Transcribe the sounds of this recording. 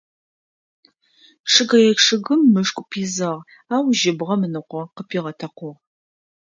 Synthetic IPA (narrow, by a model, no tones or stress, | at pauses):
ʂʰɨɡɐjɛʂɨɣɨmːɨʂkʷʼʊpʰiːzɐʁ | aːwʒɪbʁɐmɨnɨqʷɔqəpʰiːʁɐtʰɐqʷʊʁ